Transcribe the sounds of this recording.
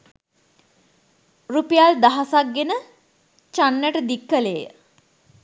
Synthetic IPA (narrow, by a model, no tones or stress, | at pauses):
rupejald̪aɦasak̚ɡenə | t͡ʃanːəʈəd̪ikːəlejə